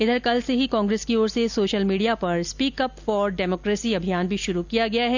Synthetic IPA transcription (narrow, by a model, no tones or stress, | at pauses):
ɪd̪əɾkɐlseɦikɔ̃ːŋɡɾeːskioːɾsesoːʃəlmiːɖijapɐɾspiːkɐpfɔːɾɖɛːmɔːkɾeːsiɐbʱijaːnbʱiʃʊɾukijaɡɐjaɦɛː